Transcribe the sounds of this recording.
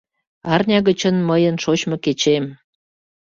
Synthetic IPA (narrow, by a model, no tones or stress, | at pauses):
ɑrnʲɑɣət͡ɕənməjənʃot͡ɕmoket͡ɕem